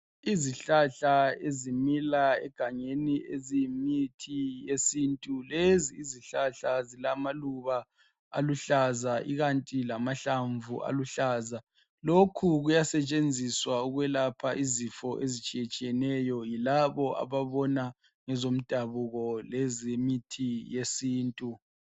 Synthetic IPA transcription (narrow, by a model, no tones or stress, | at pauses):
iziɬaɬaezimilaɛ̰ɡ̥ʱaŋeniezimitʰijesintʼuleziːziɬaɬazilamaluβa | a̰luɬazaʔiɣantʼilamaɬaɱvʱuʔa̰luɬaːza | lokʰuɣujasɛt͡ʃʼend͡zʱiswauɣwɛlapʰaʔizifɔʔezit͡ʃʼijet͡ʃʼijɛnɛjɔjilaβɔʔa̰βaβɔna | ŋɛzom̩d̥ʱaβuɣɔlɛzimitʰijesiːntʼu